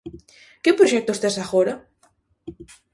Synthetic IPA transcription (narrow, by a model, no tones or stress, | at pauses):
kɪpɾoʃɛk̚t̪ost̪esaxoɾɐ